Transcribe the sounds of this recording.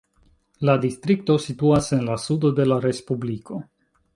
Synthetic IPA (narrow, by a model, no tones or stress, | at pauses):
ladist̪ɾikto̞situasenlasudo̞de̞laɾe̞spublikʰo̞